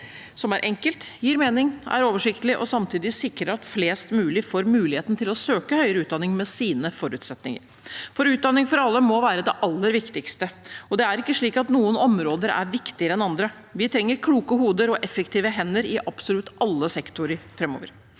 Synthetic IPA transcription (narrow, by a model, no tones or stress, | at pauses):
sɔmæɾʔɛŋkəlt̪jiːɾmeːnɪŋʔæ̰ɾoːʋəʂɪkt̪əlɪʔɔ̰sɑmt̪ʰiːd̪ɪsɪkɾəɾɑt̪fleːst̪mʉːlɪfoːɾmʉːlɪheːt̪n̩t̪ʰɪlɔsøːkəhœʏɾəʉːt̪̚d̪ɑnɪŋmɛsiːnəfɔɾʉːt̪sɛt̪nɪŋə̰ɾ | fɔɾʉːt̪̚d̪ɑnːɪŋfɔɾɑlːəmɔʋæːɾəd̪ɛʔɑlːəɾʋɪkt̪ɪkst̪əɔd̪ɛæɾɪkːəʂɭiːkɑt̪nuːənɔmɾoːd̪əɾæ̰ɾʋɪkt̪ɪəɾəɛnɑnd̪ɾə | ʋɪt̪ʰɾɛŋːəɾkʰluːkəhuːd̪əɾɔʔɛfəkt̪ʰiːʋəɦɛnːəɾɪʔɑpsɔlʉt̪ɑlːəsɛkt̪ʊɾəɾfɾɛmo̰ːʋəɾ